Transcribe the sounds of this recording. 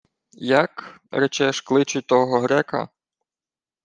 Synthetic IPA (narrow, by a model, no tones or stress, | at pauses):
jɐkɾɛt͡ʃɛʃklˠɪt͡ʃʊt̪ɔɦɔɦɾɛkɐ̰